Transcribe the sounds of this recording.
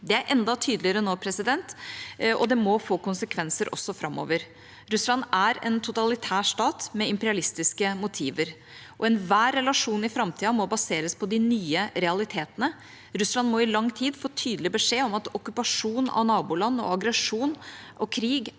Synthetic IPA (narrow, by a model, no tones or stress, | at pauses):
d̪ɛæɾʔɛnd̪ɑt̪ʰyːd̪lɪəɾənoːpʰɾɛsɪd̪ɛnt̪ʔɔ̰d̪ɛmɔfoːkʊnsəkʰʋɛnsəɾʔɔ̰sːɔfɾɑmːo̰ːʋəɾ | ɾʉslɑnæɾɛnt̪ʰʊt̪ɑlɪt̪ʰæːʂtɑːt̪mɛɪmpɛɾɪɑlɪst̪ɪskəmʊt̪ʰiːʋəɾ | ʔɔɛnʋæːɾːɛlɑʂuːnɪfɾɑmt̪ʰiːɑmɔbɑseːɾəspʰɔd̪ɪnyːəɾɛɑlɪt̪ʰeːt̪ənə | ɾʉslɑnmɔɪlɑŋːt̪ʰiːd̪foːt̪ʰyːd̪əlɪbəʂeːɔmɑt̪ɔkʉpɑʂuːnɑ̰ʋnɑːbuːlɑnːɔ̰ɑɡɾəʂuːnʔɔkʰɾiːɡ